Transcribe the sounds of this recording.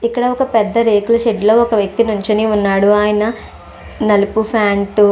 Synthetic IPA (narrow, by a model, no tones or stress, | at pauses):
ikːɐɽɐɔkɐpɛd̪ːɐɾe̞ːkulɐʃeʈlo̞ːɔkɐʋjɐk̚t̪inuɲt͡ʃɐniunːaːɽuaːjɐnɐ | nɐlupupʰaːɳʈ